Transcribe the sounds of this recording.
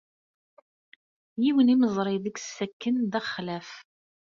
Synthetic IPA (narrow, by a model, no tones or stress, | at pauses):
jiwəniməzˤɾˤɪðəksːækːənðæχːlæf